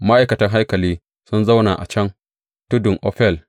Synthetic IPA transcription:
ma˦ʔa˨jkɐ˨tɐ˦ŋɦa˦jkɐ˨liː˦ | sʊ˦nza˦wna˨ʔa̰˨t͡ʃɛ˦n | tʊ˦dʊ˨ŋʔɔ˦ɸɛ˦˨l

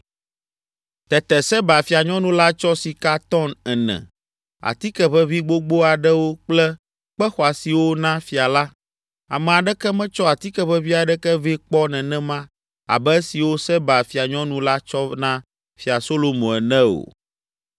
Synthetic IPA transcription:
t̪ɛ˨t̪ɛ˨sɛ˦ba˨fi˨a˨ɲɔ̃˦nũ˦la˦t͡ʃɔ˦si˨ka˦t̪ɔ˦nɛ˨nɛ̰̃˨ | a̰˨t̪i˦kɛ˦βɛ˦vi˦ɡ͡bo˦ɡ͡bo˦a˨ɖɛ˦wo˦k͡plɛ˦ | k͡pɛ˦xɔ˨a˨si˨wo˦nã˦fi˨a˨la˦ | a̰˨mɛ̃˨a˨ɖɛ˦kɛ˦mɛ̃˦t͡ʃɔ˦a˨t̪i˦kɛ˦ɸɛ˦vi˦a˨ɖɛ˦kɛ˦vi˦k͡pɔ˦nɛ̃˨nɛ̃˦mã˦ | a̰˨bɛ˦si˨wo˦sɛ˦ba˨fi˨a˨ɲɔ̃˦nũ˦la˦t͡ʃɔ˦nã˦ | fi˨a˨so˦lo˨mõ˨ɛ˨nɛ̃˦o̰˨

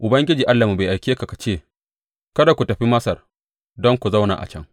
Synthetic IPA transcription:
ʔʊ˨bɐ˦ŋɡʲɪ˦d͡ʒiː˨ʔa˦lːa˨mu˨ba˨ʔa˨jkʲeː˦ka˨ka˨t͡ʃeː˦˨ | kɐ˦da˨kʷu˨tɐ˨ɸi˦mɐ˦sɐ˨r | dɔ˦ŋkʷu˨za˦wna̰ː˨ʔa̰˨t͡ʃɛ˦ŋ

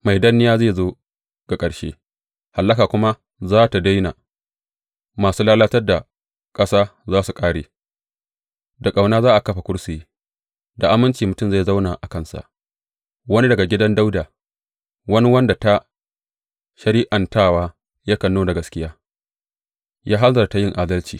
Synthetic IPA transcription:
ma˨jdɐ˦nːɪ˦jaː˦zeː˦˨zoː˦ | ɡ̥a˨kʼɐ˨ɽʃḛː˦ | ha˨lːɐ˦kaː˨kʷʊ˦ma˦ | zaː˦ta˨da˦jna˨ | maː˨suː˦laː˦laː˦tɐ˦rda˨ | kʼɐ˦saː˦zaː˦su˨kʼaː˦ɽeː˨ | da˨kʼa˨wnaː˦zaː˦ʔa˨kɐ˦ɸa˨kʷʊ˦ɽsi˨i˦ | da˨ʔa˦mɪ˦nt͡ʃiː˨mʊ˨tʊ˦mza˦˨jza˦wnaː˨ʔa˨kɐ˦˨nsa̰˨ʔ | wɐ˦ni˦dɐ˨ɡa˨ɡʲɪ˦dɐ˦nda˦wdaː˨ | wɐ˦ni˦wɐ˦nda˨ta˦ | ʃɐ˨ɾiː˦ʔa˨ntaː˦˨waː˦ | ja˦kɐ˨nːoː˦da˨ɡɐ˦skʲɪ˦jaː˦ | jaː˦ɦa˦nzɐ˨ɾta˨˦jɪ˦˨ŋʔaː˦dɐ˦lt͡ʃḭː˨

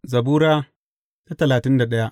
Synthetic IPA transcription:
zɐ˨buː˦ɾaː˦ | ta˦tɐ˨laː˨tɪ˦nda˨ɗɐ˦ja˦ʔ

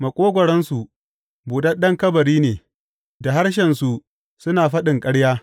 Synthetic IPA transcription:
mɐ˨kʷʼoː˦ɡʷɔ˨ɽɐ˦nsu˨ | buː˨ɗɐ˦nɗɐ˦ŋkɐ˦bɐ˨ɾiː˦neː˨ | da˨ɦa˦ɽʃ̬ɛ˨nsu˨ | sʊ˦naː˨ɸɐ˦ɗɪ˨ŋkʼɐ˦ɽjaː˦

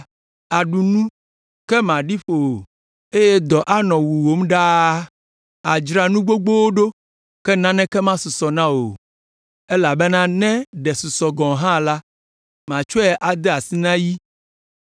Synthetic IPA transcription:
a˨ɖu˨nũ˦ | kɛ˦mã˨ɖi˦ɸo˨o˨ | e˦jɛ˦d̪ɔ˨ʔa˦nɔ̃˨wu˨wo˨˦mɖa˦ | a˨d͡ʒɾa˨nũ˦ɡ͡bo˦ɡ͡bo˦wo˦ɖo˦ | kɛ˦nã˦nɛ̃˦kɛ˦mã˦su˨sɔ˨nã˦wo˨ | e˦la˨bɛ˦nã˦nɛ̃˦ɖɛ˨su˨sɔ˨ɡɔ̃˨ɦã˦la˦ | mã˨t͡ʃɔ˦ɛ˨ʔa˨d̪ɛ˦a˨si˦nã˦ji˦

